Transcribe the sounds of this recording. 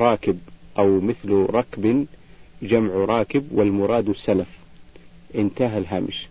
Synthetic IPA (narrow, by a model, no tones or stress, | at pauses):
ɾˤɑːkɪbʔawmɪθlɾˤɑkb | d͡ʒamʕɾˤɑːkɪbwɪlmʊɾˤɑːd̪ɪsːalaf | ʔɪnt̪aɦalɦaːmɪʃ